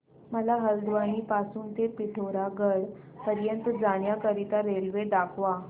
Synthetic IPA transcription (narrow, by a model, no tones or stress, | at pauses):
məlaɦəld̪ʋaniːpasuːnt̪epiʈʰoɾaɡəɽ | pəɾjənt̪d͡zaɽjakəɾit̪aɾelʋeɖakʰʋa